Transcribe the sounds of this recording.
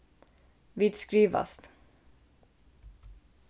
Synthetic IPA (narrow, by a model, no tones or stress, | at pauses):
viːt̪skɾiːʋa̰st̪